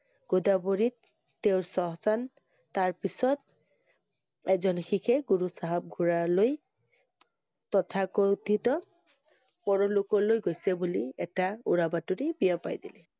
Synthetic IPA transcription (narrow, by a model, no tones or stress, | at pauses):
ɡ̥odaboɹitː | eʊɹsɔɦzan | taɹpisɔt̚ | ɛzɔnxikʰɛɡuɹusaɦab̚ɡʱuɹaloj | tɔtʰakotʰitɔ | pɔɹɔlʊkɔlojɡojsɛbuliɛtaṵɹabatuɹibijapa̰jdilɛ